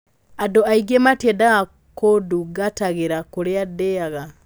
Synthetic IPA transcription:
adoaiɡematedaɣa | koduɡataɣeɾakoɾeadeaɣa

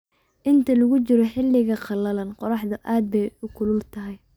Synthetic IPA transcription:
ʔɪnt̪ʰɐlɐɣʊt͡ʃɪɾɔħɪlːɪɣɐqɑlɐlɐnqɔɾɑħd̪ɐʔaːd̪̚bɛjʊkʰʊlʊlt̪ʰɐɦɛj

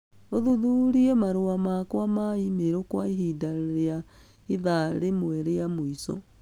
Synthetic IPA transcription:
oðuðuɾiemaɾoamakwamaimeɾokwaiɦiːdaɾea | iðaɾemwɛɾeamoisɔ̰

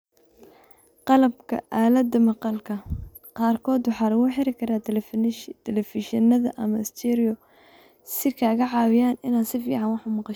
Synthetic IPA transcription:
qɑlɐbkʰɐ̰ʔaːlɐd̪ɐmɑqɑlkʰɐ | qɑːrkʰɔːd̪wɑħaːlɐɣuːħɪɾɪkʰɐɾaː | t̪ʰɛlɛfɪʃɐnɐðɐ̰ʔɐmɐɪst̪ʰɛɾɪɔ | sɪkʰaːɣɐʕɑːwɪjaːnɪnaːd̪sɪfiːʕɑnwɑħʊmɑqɑ

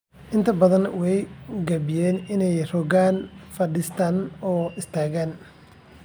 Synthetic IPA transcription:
ʔɪnt̪ʰɐbɐðɐnwɛjɡɐbɪjɛːnɪnɛjrɔːɣaːnfɐɖɪst̪ʰaːnɔːɪst̪ʰaːɣaːn

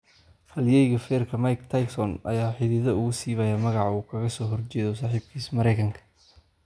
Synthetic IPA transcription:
hɐljɛjɣɐfɛːrkʰɐmɐjkt̪ʰɐjksɔnɐ̰jaːħɪðɪðɐʊɣʊsiːβɐjamɐɣɑʕuːkʰɐɣɐsɔːɦɔrt͡ʃɛːðɔsaːħiːb̚kʰiːsmɐɾɛjkʰɐŋkʰɐ̥

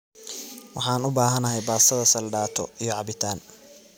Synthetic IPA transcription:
wɑħɑːnʊbaːɦɐnɐɦɛjbaːsɐðɐsɐlɖaːt̪ʰɔ̰ijɔʕɑbɪt̪ʰaːn

